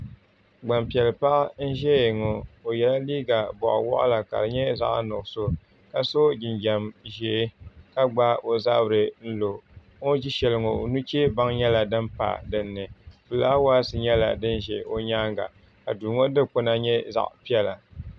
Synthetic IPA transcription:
ɡ͡ba˨mpi˨ɛ˨lpa˦ʔn̩˦ʒɛ˦je˨ŋo˨o˨jɛ˨la˦liː˦ɡa˨bɔ̰˨ʔwɔ̰˦ʔʊ̰˦la˨ka̰˨ɾɨ˨ɲɛ˦za̰˨ʔnʊ˨ʔso˦ | ka˨so˦d͡ʒɪ˨nd͡ʒɛ˨mʒɛ˨˦ka˦ɡ͡ba˦o˨za̰˦bɾɨ˨n̩˦lo˨ | o˦d͡ʒi˦ʃɛ˨lɨ˨ŋo˨nu˦t͡ʃe˦ba˦ŋɲɛ˦la˨dɨ˦mpa̰˨dɨ˨nːɨ˨fɨ˨la˦waː˦sɨ˨ɲɛ˦la̰˨dɨ˦n˦ʒɛ˨o˦ɲaː˦ŋɡa̰˨ | ka˨duː˨ŋo˦dɨ˦k͡pʊ˦na˦ɲɛ˦za̰˨ʔpi˦ɛ˦la˨

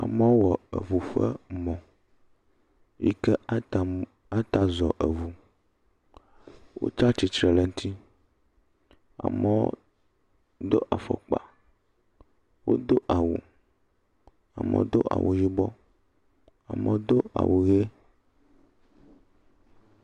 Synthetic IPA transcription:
a˨mɛ˦wo˦wɔ˨ə̰˨vu˨ɸɛ˦mɔ̃˨ | jḭ˦kɛ˦˨ | a˦t̪a˦zɔ˨ʔe˨vu˨ | wo̰˦tɾa˦t͡ʃi˨t͡ʃɾɛ˨lɛ˨ŋ˦t̪ʰi˦ | a̰˨mɛ˦wo̰˦ | d̪o˦ʔa˨fə̰˨k͡pa̰˨ | wʔo̰˦d̪o˦ʔa˨wu˨ | a̰˨mə̰˨˦wo̰˦d̪o˦ʔa̰˨wʔo˨d͡ʒi˦bɔ˦ | a̰˨mə̰̃˦wo˦d̪o˦a̰˨wʔo˨ɣe˦

